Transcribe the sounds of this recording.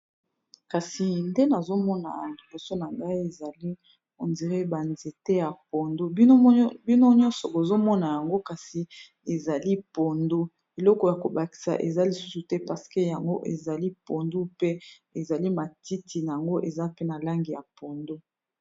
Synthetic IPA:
ka˨si˨nde˦na˨zo˦mɔ˦na̰˨i˨bo˨so˦na˨ŋɡa˦i˦e˨za˨li˦ | o˨ndi˨ʁe˦ba˨nze˨te˦ja˨po˨ndo˦bi˦no˦bi˦no˦ɲɔ̃˦sɔ˨bo˨zo˦mɔ˦na˨ja˨ŋɡo˦ka˨si˨ | e˨za˨li˦po˨ndo˦ | e˨lɔ˦kɔ˨ja˨ko˨ba˨ki̥˨sa̰˨ʔe˨za˦li˨su̥˦su˨tɛ˦pa˨ʁse̥˨ke˦ja˨ŋɡo˦ʔḛ˨za˨li˦po˨ndo˦pe˦ | e˨za˨li˦ma˨ti˦tʰi˨na˨ja˨ŋɡo˦ʔe˨za˦pe˦na˨la˦ŋɡi˨ja˨po˨ndo˦

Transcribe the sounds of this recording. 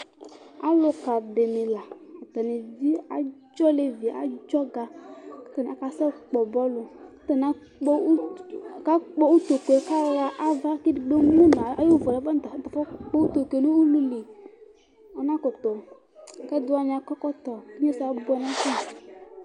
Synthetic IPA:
a̰˦lo˨ka˨ɖe˨mẽ˨la˨a˨t̪a˨ne˨d͡zi˦a̰˨˦d͡ʒɔ˦le˨vi˨a̰˨d͡ʒɔ˦ɡa˨kt̪a˨n˨ka˨sɛ˦k͡pɔ˨bɔ˦lo˨˦ | t̪e˨nã˦ | k͡pka˦k͡pɔ˦wu˦t̪o˨ko˨ka˦wa˦ʔa˦va˦ki˦i˨ɖo˦mũ˦nã˨a˨˦jo˦vɔ˨la˨˦ba˦˨˦t̪a˨fɔ˦k͡po˦wu˦t̪o˨ke˨nũ˦u˦lu˦li˨ | a˦nã˦ko˨t̪ɔ˨ | kɛ˦d̪o˦a˨ɲ̃˨a˨kɔ˦kɔ˦t̪ɔ˨˦ɲẽ˦si˨a˨˦bo˦ɛ˨nã˦ki˦˨

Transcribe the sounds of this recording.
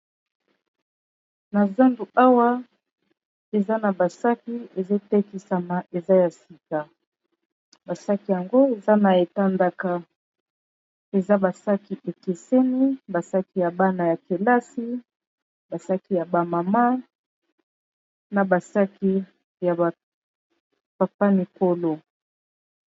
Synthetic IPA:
na˨za˦ndu˨a˦wa˦ | e˨za˦na˨ba˨sa˦ki˦e˨ze˦tɛ˦ki˦sa˨ma˨ʔe˨za˦ja˨si˨ka˨ | ba˨sa˦ki˨ja˨ŋɡo˦e˨za˦na˨e˨ta˦nda˨ka˨ | e˨za˦ba˨sa˦ki˨ʔe˨ke˨se˦ni˦ba˨sa˦ki˨ja˨ba˦na˨ja˨ke˨la˦si˦ | ba˨sa˦ki˨ja˨ba˨ma˨ma˦ | na˨ba˨sa˦ki˦ | ja˨ba˨ | pa˨pa˦mi˨ko˦lo˨

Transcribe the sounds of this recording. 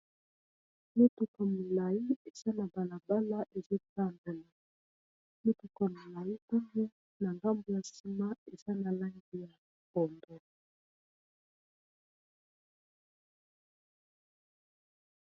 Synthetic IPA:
me˦tu˨ka˨mo˨la˨i˦e˨z̥a˦na˨ba˨la˨ba˦la˦ʔe˨zo˦ta˦˨mbe˨la˨ | mo˦tu˨ka˨mo˨la˨ji˦ta˦ŋɡo˦ | na˨ŋɡa˦mbo˨ja˨si˦ma˦e˨za˦na˨la˦ŋɡi˦ja˨ | kɔ˨ndo˨

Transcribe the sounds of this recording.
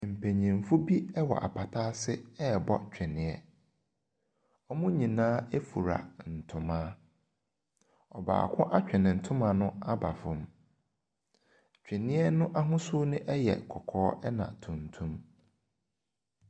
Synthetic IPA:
m̩˨pʰæ˨ɲĩ˨m˨fʊ˦bi˦ɛ˦wɔ̰˨ʔa̰˨pʰa˨tʰa˦sɪ˦ɛ˦˨bɔ̰˦t͡ɕᶣɛ˨nɪ̃˨ɛ˦ | ɔ˦mʊ̃˦ɲĩ˨nãː˦e˦fu˨ɾa̰˨n̩˨tʰʊ̃˨mãː˦ | ɔ˨ba̰ː˨kʷʰʊ̃˦ʔa˦t͡ɕᶣɛ˨nɪ̃˨n̩˨tʰʊ̃˦mã˨nʊ̃˦a˦ba̰˨fʊ̃˨m | t͡ɕᶣɛ˨nɪ̃˦ɛ˦nʊ̃˦ʔa˦ɦʊ̃˦sʊ˦nʊ̃˦ʔɛ˦jɛ̰˨kʰɔ˨kʰɔː˦ʔɛ˦nã̰˨tʰũ˨n˨tʰũ˦m

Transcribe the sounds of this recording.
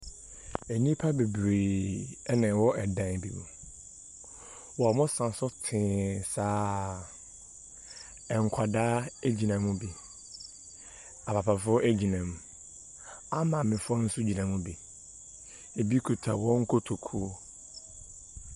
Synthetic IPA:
e˨nĩ˦pʰa˦be˨bɾeː˨ɛ˦nɪ̃˨wɔ˦ʔɛ˨dã˨n˨bḭ˨mʊ̰̃˨ | wɔ˨a˨mʊ̃˦sã˨sʊ˦tʰɪ̃˨saː˦ | ɛ˨ŋ̩˨kʷʰa˨daː˦e˦d͡ʑi˨nã˨mʊ̃˦bi˨ | a˨pʰa˨pʰa˨fʊ˦ɔ˦ʔe˦d͡ʑi˨nã˨m˨ | a˦mã˨mɪ̃˨fʊ˦ɔ˦n̩˦sʊ˦d͡ʑi˨nã˨mũ˦bi˨ | e˨bi˦kʰu˨tʰa˨wɔ̃˦ŋ̩˦kʰo˦tʰo˨kʰu˦o˦

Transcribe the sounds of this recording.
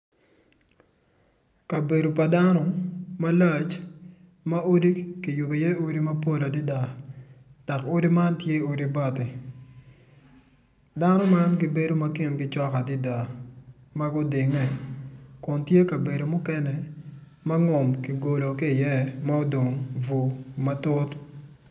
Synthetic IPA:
ka˨be˨do˨pa˨da˦nɔ˦ma˦la˦˨t͡ʃ | ma˦o˦di˦ki˨jʊ˨be˨jɛ˦o˦di˦mɐ˦po˦la˨di˦da˨ | d̥a˨ko˦di˦ma˦ntje˦o˦di˦ba˦tɪ˨ | da˦nɔ˦ma˦nki˨be˦do˦mɐ˦kɪ˨nɡɪ˦t͡ʃɔ˦ka˨di˦da˨ | ma˦ɡʊ˦dɪ˨ŋɛ˦kʊ˨ntje˦ka˨be˨do˨mʊ˦kɛ˦nɛ˨ | mɐ˦ŋɔ˨mki˨ɡo˨lo˨kiː˦˨jɛ˦ma˦o˦do˨ŋvu˨mɐ˦tʊ˦t

